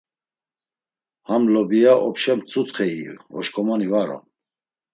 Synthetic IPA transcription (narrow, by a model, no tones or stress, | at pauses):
hamlɔbijaʔɔpʃɛmt͡sʼut̪χɛiɔʃkʰʼɔmanivaɾɔ̰m